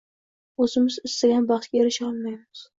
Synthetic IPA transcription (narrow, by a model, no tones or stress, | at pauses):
ɵzɪmɪzɪst̪aɡʲanbɑχt̪kʲaeɾɪʃɒlˠmajmɪz̥